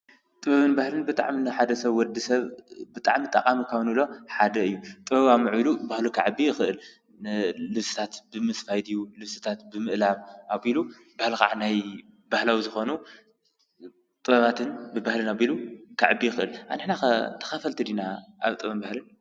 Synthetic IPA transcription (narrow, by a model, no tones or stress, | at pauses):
t̪ʼɨβɐβɨnbahlɨnbɨt̪ʼa̰ʕminaħad̪ɐsɐβwɔd̪isɐβbɨt̪ʼa̰ʕmit̪ʼɐkʼamikʰawnɨlo̞ħad̪ɐɨjːut̪ʼɨβɐβamɨʕulubahlukʰaʕɨbijɪxɨʔɨl | lɨβsɨ̥t̪ʰat̪b̥ɨmɨsfajd̪ijulɨβsɨ̥t̪ʰat̪bɨmɨʔlaβaβilu | bahlxa̰ʕanaj | bahlawizɨxo̞nu | t̪ʼɨβɐβat̪ʰɨnbɨbahlɨnaβilukʰaʕɨbːijɪxɨʔɨlʔanɨħnaxɐt̪ʰɐ̥xɐfɐlt̪ʰɨd̪inaʔa̰βt̪ʼɨɐβɨnbahlɨn